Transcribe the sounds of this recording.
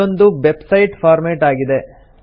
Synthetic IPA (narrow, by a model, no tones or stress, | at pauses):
ond̪uʋebsɐjʈpʰaːɾmeːʈaːɡid̪e